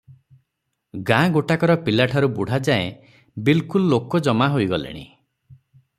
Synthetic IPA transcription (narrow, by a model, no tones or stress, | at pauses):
ɡãɡoʈakɔɾɔpilaʈʰaɾubuɽ̤ad͡ʒae | bilkulɔːokɔd͡ʒɔmaɦojɡɔlḛɽ̃ḭ